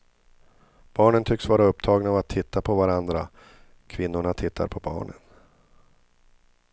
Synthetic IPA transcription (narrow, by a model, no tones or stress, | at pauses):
b̥ɑːɳənt̪ʰʏksvɑːɾaɵpt̪ʰɑːɡnaːvat̪ʰːɪt̪ːapʰɔvaɾand̪ɾa | kʰvɪnːʊɳat̪ʰɪt̪ːa̰ɾpʰɔbɑ̰ːɳə̰n